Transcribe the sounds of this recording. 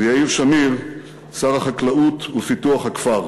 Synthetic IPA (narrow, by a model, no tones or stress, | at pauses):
ejaivʃamiʁ | saʁaχaklautufituaχhakfaʁ